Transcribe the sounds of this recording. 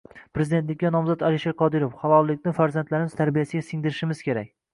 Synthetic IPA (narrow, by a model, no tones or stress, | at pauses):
pɾe̞zɪd̪et̪lɪkʲːanɒmzɒd̪alɪʃeɾqʰɒd̪ɪɾofχɑlˠɒlˠːɪkʲnɪfaɾzant̪laɾɪmɪz̥t̪ʰaɾbijasɪɡʲasɪŋd̪ɪɾɪʃɪmɪzkʲʰe̞ɾa̰kʲ